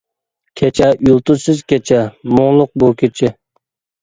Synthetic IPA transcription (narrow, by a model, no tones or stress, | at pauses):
kʲʰet͡ʃʰɛjulˠt̪ʊsɨzkʲet͡ʃʰɛmʊŋlˠʊq̚bukʲʰet͡ʃʰɪ